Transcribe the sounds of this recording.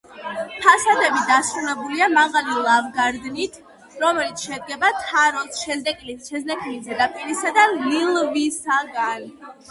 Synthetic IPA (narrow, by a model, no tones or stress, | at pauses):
pʰasad̪ɛbid̪asɾulɛbuliamaʁalilˠavɡaɾd̪nit̪ʰ | ɾɔmɛlit̪sʰʃɛd̪̚ɡɛbat̪ʰaɾɔsʃɛɛkʼliʃɛznɛkʰʼilid̪ɛd̪apʼiɾisad̪alilˠvisaɡan